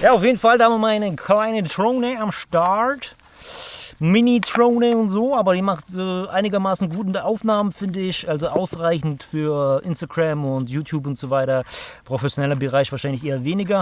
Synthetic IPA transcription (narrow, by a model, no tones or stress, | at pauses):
jaːaʊfjeːdn̩faldahammaɪnəkl̥aɪnətʁ̥oʊnəamʃtat | mɪnitʁoʊnəʊntz̥oːʔaːbɐdiːmaχtɛːʔaɪnɪɡɐmaːsn̩ɡuːtɪndɛʔaʊfnaːmənfɪndəɪçʔalzoʔaʊsʁaɪçn̩tfyːɐʔɪnstaɡ̥ʁamʊntjuːtʰjuːp̬ʊntz̥oːvaɪtɐpʁ̥ofɛsjonɛlɐbəʁaɪçv̥aːɐʃaɪnlɪçʔeːɐveːnɪɡɐ